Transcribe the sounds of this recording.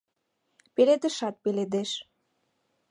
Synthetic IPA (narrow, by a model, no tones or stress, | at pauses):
peled̪ə̆ʃɑt̪̚peled̪eʃ